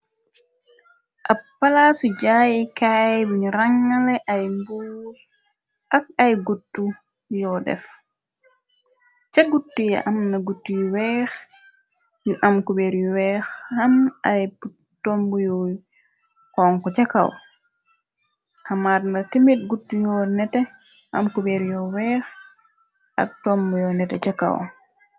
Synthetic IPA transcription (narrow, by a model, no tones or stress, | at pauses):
ʔɐpːalasuɟaːjikajbiɲɾaŋːalɛʔajmbu | ʔɐk̚ajɡutːu | jɔdɛ̰f | t͡ʃaɡutːuja̰ʔɐmnɐɡutːujwɛːx | juʔamkubɛɾjuwɛxhamʔajpu | tɔmbujɔ | kɔːŋkɔt͡ʃaka̰w | hamaːtnatemit̚ɡutːujɔnɛtɛ | ha̰mkubɛɾjɔwɛːx | ʔa̰k̚tɔmbujɔnɛtɛ̰t͡ʃaka̰w